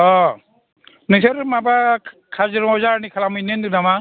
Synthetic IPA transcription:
ɔ | nɯsʰeɾmabakʰazɯɾɔzaɾnikʰalamɯjnendɯnama

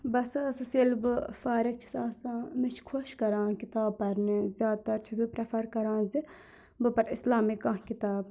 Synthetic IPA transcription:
bɐsɨsɨselbɨfaːɾik̚t͡ʃʰi̥saːsãːmit͡ʃʰkʰoʃkɐɾãːkit̪aːb̚pɐɾnizʲjaːd̪̚t̪ɐɾt͡ʃʰizbɨpɾepʰɐɾkɐɾãːnzi | bɨpɐɾislaːmikãːɦkit̪aːb

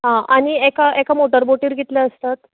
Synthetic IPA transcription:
ɦãʔaɽ̃iekaekamoʈəɾboʈiːɾɡʱet̪ljaəst̪at̪

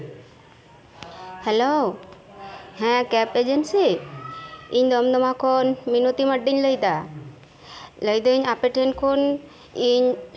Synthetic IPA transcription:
helo | hɛ̃kɛped͡ʒensi | iɲd̪ɔmd̪ɔmakʰɔnminot̪iməɖːiɲləjd̪a | ləjd̪oiɲapeʈʰenkʰon | iɲ

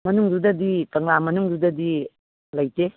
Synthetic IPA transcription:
mɐnuŋdudɐditɐŋlamɐnuŋdudɐdi | lɐjte

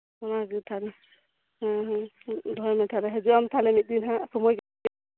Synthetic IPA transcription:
ɔnaɡɯt̪ʰalɛ | d̪ʱɔjmɛt̪ʰalɛɦɛd͡ʒuamt̪ʰalɛmit̪̚d̪inɦãsɔmɔjɡa

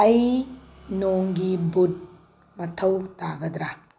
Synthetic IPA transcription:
ɐj | noŋɡibut̚ | mɐtʰɐwtaɡɐdɾa

